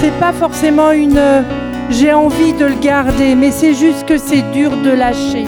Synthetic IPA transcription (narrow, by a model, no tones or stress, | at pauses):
sɛpafɔʁsemɑ̃ynø | ʒeɑ̃vid̪ələɡaʁd̪emɛsɛʒyst̪kəsɛd̪yʁd̪əlaʃe